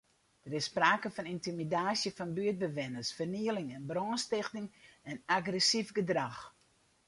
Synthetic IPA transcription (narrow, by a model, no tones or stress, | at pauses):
d̥əɾɪsːpraːkəfɔnintimidaːsjəfɔnbyəd̚bəʋɪnəsfərniəlɪŋɛnbrɔnstɪxtɪŋɛnaɡrɛsifɡədrax